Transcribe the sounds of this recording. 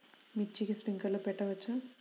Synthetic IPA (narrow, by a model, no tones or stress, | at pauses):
mit͡ʃːikispiŋkɐlːopɛʈːɐʋɐt͡ʃːɐ